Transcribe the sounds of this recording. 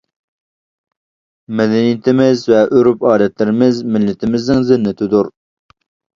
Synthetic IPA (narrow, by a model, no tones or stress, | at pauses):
mɛd̪ɛnijɪt̪ʰɪmɪzvɛʔøɾypɑːd̪ɛt̪lɪɾɪmɪzmɪlːɪt̪ʰɪmɪznɪŋzɪnːɪt̪ʰɪd̪uɾ